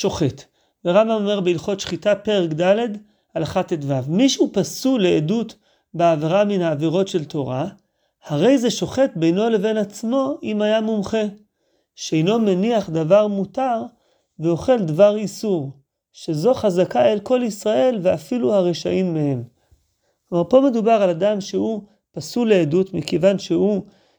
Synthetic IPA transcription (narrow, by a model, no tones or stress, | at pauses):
ʃo̞χet | veʁambamome̞ʁbeilχo̞tʃχitape̞ʁekd̪ale̞d̪ | alaχatetvavmiʃupasule̞edut̪ | beaveʁaminhaːviʁo̞tʃe̞lto̞ʁa | haʁe̞jze̞ʃo̞χe̞t̚bejno̞le̞ve̞nat͡smo̞ʔimajamumχe̞ | ʃeejno̞meniaχd̪avaʁmut̪aʁ | veo̞χe̞ld̪vaʁisuʁ | ʃe̞zo̞χazakaelko̞lisʁae̞lveafiluhaʁeʃa̰ʔimːehe̞m | omaʁpo̞me̞d̪ubaʁalad̪amʃehu | pasule̞ːdutmikevanʃehu